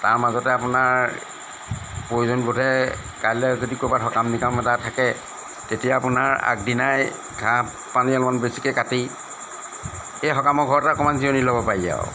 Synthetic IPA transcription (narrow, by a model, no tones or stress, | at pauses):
taɹmazɔtɛapʊnaɹ | pɹojuzɔnbodʱɛ | kajlɛzodikobatɦɔkamnikamɔtatʰakɛ | tetijaapunaɹa̰k̚dinaj | ɡʱa | paniɔlmanbesi̥kɛkati | ejxɔkamɔɡʱɔɹɔtakɔmanziɔnilɔbɔpaɹiza̰o̰